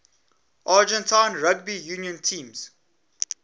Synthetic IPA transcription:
ʔad͡ʒɛ̃ntʰãɪnɹaɡ̚bijuːnjə̃ntʰĩːmz̥

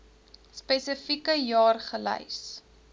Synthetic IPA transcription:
spɛsəfikəjɑːrχələ̰js

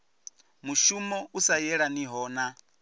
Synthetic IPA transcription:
muʃumɔusajɛɺaniɦɔːna

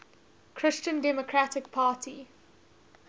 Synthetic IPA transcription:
kʰɹɪst͡ʃə̃ndɛmɔkʰɹatɪk̚pʰaːtʰi

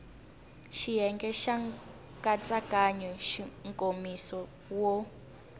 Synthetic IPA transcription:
ʃijɛŋɡɛʃaŋ | kʼat͡sʼakaɲɔʃiŋkʼomisɔ | wɔ

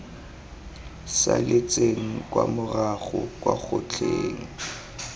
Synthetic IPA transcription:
salɪt͡seŋ̩kwamʊraχʊ̰kʼwaχʊt͡ɬʰeːŋ̩

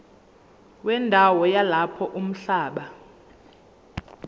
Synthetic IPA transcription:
wɛndʱawɔjalapʰɔʔum̩ɬaːɓa

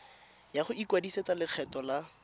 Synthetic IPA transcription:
jaχʊikwadiset͡salɪk͡xʰɛtɔla

